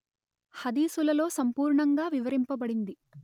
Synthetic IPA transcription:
hɐd̪iːsulɐlo̞ːsɐmpuːɾɳɐŋɡaːʋiʋɐɾimpɐbɐɽind̪i

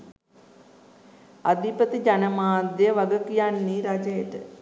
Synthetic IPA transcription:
ad̪ipət̪id͡ʒanəmaːd̪jəʋaɡəkijanːiːɾad͡ʒəjəʈə

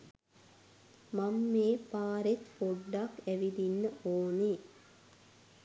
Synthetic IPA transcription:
mamːeːpaːɾet̪poɖːakæʋid̪inːəʔoːne

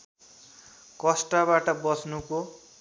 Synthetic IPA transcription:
kʌsʈabaʈʌbʌsnuko

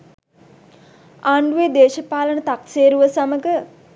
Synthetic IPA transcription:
aːɳɖuʋed̪eːʃəpaːlənət̪akseːɾuʋəsaməɡə

